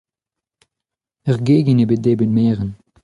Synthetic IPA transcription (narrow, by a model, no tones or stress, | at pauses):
ɛʁɡeːɡənebət̚deːbət̚meːʁən